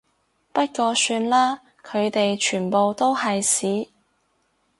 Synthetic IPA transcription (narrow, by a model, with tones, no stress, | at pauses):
pɐ˥t̚kɔː˧syː˧nlaː˥ | kʰɵ˨˧ɥt̪e˨jt͡ʃʰyː˨˩npo˨wt̪o˥whɐ˨jsiː˨˥